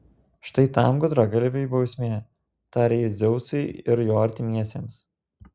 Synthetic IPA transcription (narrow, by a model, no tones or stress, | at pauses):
ʃt̪ɐɪt̪ɑmɡʊd̪ɾɐɡɐlʲʋʲɛjbɐʊsʲmʲeː | t̪ɑːɾʲejɪzʲɛʊsɐɪɪɾjoːɐɾʲt̪ʲɪmʲiɛsʲeːms